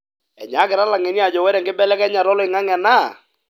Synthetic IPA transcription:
ɛ̰˨ɲa˨˦kɪ˨ɾa˦la˨ŋɛ˨ni˦a˨d͡ʒɔ˨wɛ˦ɾɛ˨ŋɡɪ˦bɛ˦lɛ˦kɛ˦ɲa˨ɾɔ˦lɪ˨ŋa˦ŋɛ˨na˦˨

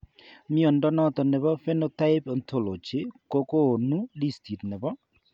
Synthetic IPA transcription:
mi˦ɔ˨ndɔ˦nɔ˦t̪ɔ˨nɛ˨bɔ˦fɛ˦no˦ta˦ɪ˦pɔ˨nt̪ʰo˨lo˨t͡ʃɪ˦ko˦ko˦˨nu˦li˦sti˨tnɛ˨bɔ˦

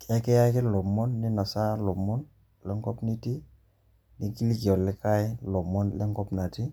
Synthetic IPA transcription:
kɛ˦kɛ˦ja˦kɪ˦lɔ˨mɔ˦nːɪ˦na˨sa˦lɔ˨mːɔ˦n | lɛ˦ŋkɔ˦pni˦ti˦ | ni˦ki˦li˦ɡɔ˨lɪ˦ka˦jlɔ˨mɔ˦nlɛ˦ŋkɔ˦pna˨ti˦

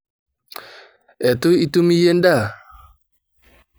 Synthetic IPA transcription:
ɛ˨tʊ˦i˦tu˦mi˦je˦n˦da˦˨

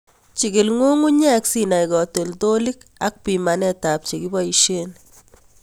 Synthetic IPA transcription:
t͡ʃi˨ɡi˨lŋo˦ŋu˦ɲɛ˦ksina˨jkɔ˨te˨lto˦li˦k | a˦k̚pi˨ma˨nɛtap̚t͡ʃe˨ki˦bɔ˦iʃe˦n

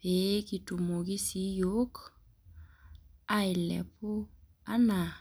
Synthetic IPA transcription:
pe˨˦ki˨tu˨mo˨ki˦si˨˦jo˦k | a˦i˨lɛ̰˨po˦ | a̰˦na˨

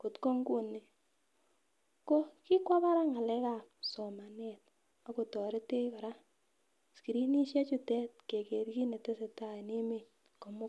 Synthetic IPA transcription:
ko˨tko˦ŋɡu˦ne˨ | ko˦ki˦kwa˦pa˦ɾa˦ŋa˨lɛ˦ka˦˨sɔ˨ma˨nɛ˨t̚ | a˨˦ko˨tɔ˨ɾe˦te˦ba˨ɾa˦ | ski˨ɾi˦ni˦ʃɛ˦t͡ʃu˦tɛ˦t̚ke˨ke˨ɾki˦ne˨te˦se˨ta˦˨ne˦me˨ | ko˨mʊ˦

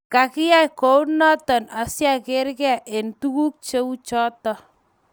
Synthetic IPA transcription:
ka˨kɪ˦ja˦ko˨˦u˦nɔ˦tɔ˨na˨sja˦ke˦ɾkɛ˦˨ʔe˨ntu˦ku˦k̚t͡ʃe˦u˦t͡ʃɔ˦tɔ˦

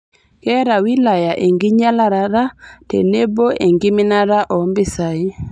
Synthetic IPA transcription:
kɛ˦ɾa˨wi˦la˨ja˨ʔe˨ŋɡi˦ɲa˦la˦ɾa˨ɾa˦tḛ˨ne˦bo˦ʔe˨ŋɡi˦mi˦na˦ɾa˦ʔɔ˨mbɪ˦sa˨i˦

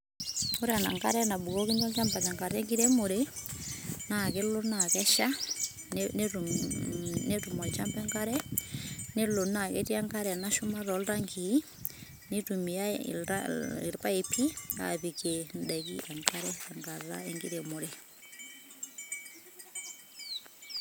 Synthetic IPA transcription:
o˦ɾa˨na̰˨ŋɡa̰˦ɾɛ˦na˨bu˨kɔ˦ki˦ɲɔ˦lt͡ʃa˦mba˨t͡ʃa˨ŋɡa˨ɾɛ˦ŋɡi˦ɾɛ˦mo˨ɾe | na˨ke˦lo˦na˨kɛ˦ʃa˦ | n | ne˦tu˨mɔ˨t͡ʃa˦mpɛ˦ŋɡa˦ɾɛ˦ | ne˦lo˨na˨kɛ˦ti˦a˦ŋɡa˦ɾɛ˨na˦ʃu˦ma˦ɾɔ˨lɾa˦ŋɡi˨ | ni˦tu˨mi˨a̰a̰ḭ˨ɾpa˦e˨pʰi˦a̰˨βi˨ke˨ndɛ˨kḭ˦ʔa˨ŋka˦ɾɛ˦a˨ŋɡa˨ɾa̰ɛŋɡi˦ɾɛ˨mo˨ɾe˨

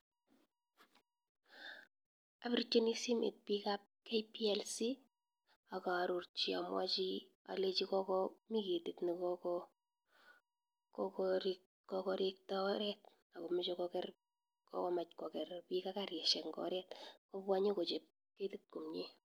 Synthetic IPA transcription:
apɪɾt͡ʃːe˦ni˦si˦mḛ˨t̚pikap̚kejpiɛlsi˦ | a˨ka˨ɾu˨rt͡ʃi˨a̰˨mwa˦t͡ʃi˦ | a̰˨le˦t͡ʃi˦kɔ˦kɔmi˦ke˨ti˨tni˨kɔkɔ | kɔkɔɾik | kɔkɔɾik̚ta˦ɾɛt̚ | a˨kɔ˨mɪt͡ʃɔkɔkɛr | kɔ̰˦kɔ˦ma˨t͡ʃkɔ˨kɛ˨rpika˦kaɾjɛ˨ʃɛ˨kŋɡɔ̰ɾɛtkɔ˦pwa˦ɲe˦kɔ˨t͡ʃe˨p̚ | ke˦ti˦t̚ku˨mɲi˦

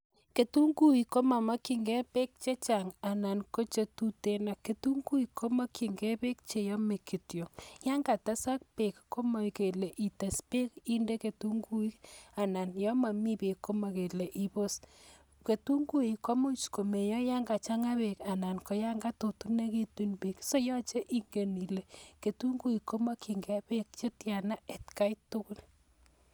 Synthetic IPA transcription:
ke˨tu˦ŋɡu˦i˨kːo˦ma˨ma˦ki˨ŋɡɛ˦pe˦k̚t͡ʃe˦t͡ʃa˨ŋa˨na˨nko˦t͡ʃe˨tu˦te˦na˨ke˨tu˦ŋɡu˦i˨ko˦ma˦ki˨ŋɡɛ˦pe˦k̚t͡ʃe˨jɔ˦me˨ki˨tjo˨ja˦ŋɡa˨ta˦sa˦k̚pe˨kko˦ma˨ke˨le˨ʔi˨ta˨spe˦ki˦nde˦ke˨tu˦ŋɡu˦i˦ka˨na˨njɔ˦ma˨mi˦pe˨kːo˦ma˨ke˨le˨ʔi˨bo˦s | ke˨tu˦ŋɡu˦i˨ko˦mo˦t͡ʃko˨me˨jɔ˦ja˦ŋɡa˨t͡ʃa˦ŋa˦βe˨ka˨na˨nko˨ja˦ŋɡa˦to˨tu˦ne˦ki˦tu˦npe˨kso˦jɔ˦t͡ʃe˦ʔi˦ŋɡe˨ni˨le˨ke˨tu˦ŋɡu˦i˨ko˦ma˦kʰi˨ŋɡɛ˨˦pe˦k̚t͡ʃe˦tja˨na˦e˨tka˦itʊ˦kʊ˦l

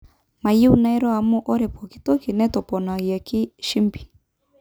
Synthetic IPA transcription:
ma˨ji˦u˨na˦ɛ˦ɾɔ˦a˨mu˦ʔɔ˦ɾɛ˨pɔ˨ki˦tɔ˦ki˨nɛ˦tɔ˨pɔ˨na˨ɣja˨ki˦ʃi˦mpi̥˨

